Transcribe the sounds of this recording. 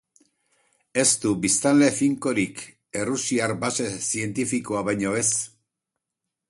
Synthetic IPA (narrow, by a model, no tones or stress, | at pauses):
e̞st̪ubist̪anle̞fiŋko̞ɾik | e̞rusiaɾbase̞sie̞nt̪ifiko̞aβajɲo̞e̞s